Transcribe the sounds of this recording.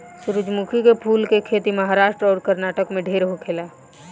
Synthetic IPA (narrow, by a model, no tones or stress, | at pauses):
sʊɾʊd͡ʒmukʰikepʰuːlkekʰeːt̪iməɦaɾaːʃʈɾɔːɾkəɾnaːʈəkmẽɖʱeɾɦokʰela